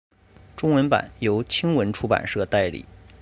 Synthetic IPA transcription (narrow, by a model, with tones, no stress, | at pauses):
ʈ͡ʂʊ˥ŋwə˧˥npa̰˨˩˦njo˧˥ʊt͡ɕʰi˥ŋwə˧˥nʈ͡ʂʰu˥pa̰˨˩nʂɤ˥˩t̪a˥˩ɪlḭ˨˩˦